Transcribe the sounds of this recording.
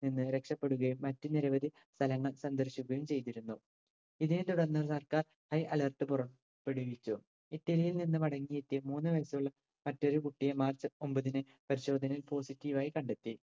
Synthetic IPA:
ninːɨɾe̞kʂɐpːe̞ɽuɣɐjumːɐtːuniɾɐʋɐd̪ʱi | st̪ʰɐlɐŋːɐɭsɐnd̪ɐrɕuɣɐjumt͡ɕe̞jt̪iɾunːu | iðinet̪uɽɐnːɐsɐrkaːr | hɐjʔɐlɐrʈːɨpurɐ | pːeɽuʋit͡ɕːu | itːɐlijilninːɨʋɐɽɐŋːijet̪ːijɐmuːnːɨʋɐjɐsɐmuɭːɐ | mɐtːo̞ɾukuʈːijemaːrt͡ɕːɨo̞mbɐðinɨ | pɐɾiɕo̞ːd̪ʱɐnilpo̞ːsitːiːʋaːjikɐɳɖe̞t̪ːi

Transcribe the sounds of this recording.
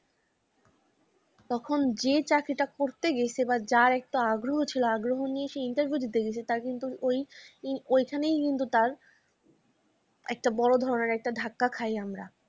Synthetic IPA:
t̪ɔkʰond͡ʑet͡ɕakɾiʈakoɾt̪eɡet͡ɕʰebad͡ʑaɾɛk̚ʈoaɡɾoɦot͡ɕʰiloaɡɾoɦonijeʃeinʈeɾbʱjud͡ʑit̪eɡet͡ɕʰet̪aɾkint̪uojiojkʰanejkint̪ut̪aɾ | ɛk̚ʈabɔɽod̪ʱɔɾoneɾɛk̚ʈaɖʱakːakʰajamɾa̰

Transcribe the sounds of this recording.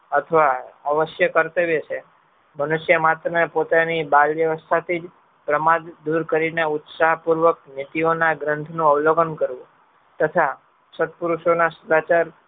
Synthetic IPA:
ət̪ʰəʋaəʋəʃjəkəɾt̪əʋjet͡ʃʰe | mənuʃjəmat̪ɾənepot̪anibalʋjəʋəst̪ʰat̪ʰid͡ʒ | pɾəmad̪d̪uɾkəɾineʊt̪saɦpuɾʋək̚nit̪ionaɡɾənt̪ʰnũəʋloɡənkəɾʋũ | t̪ət̪ʰa | sət̪puɾuʃonasəd̪at͡ʃaɾ

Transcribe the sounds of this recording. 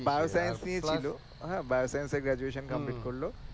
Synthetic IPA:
bajosɐjɐnsniet͡ʃilu | ɦãbajosɐjɐnseɡɾad͡ʒueːʃɐnkɐmpliːʈkoɽloː

